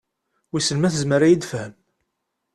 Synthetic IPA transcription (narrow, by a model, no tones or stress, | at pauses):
wisəlmæθəzməɾæjid̪fhəm